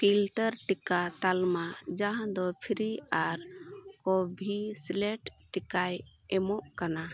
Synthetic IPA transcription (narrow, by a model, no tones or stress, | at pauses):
pʰilʈəɾʈikat̪almad͡ʒaɦãd̪ɔpʰɾiaɾkɔbʱislɛʈʈikaj | ɛmɔʔkana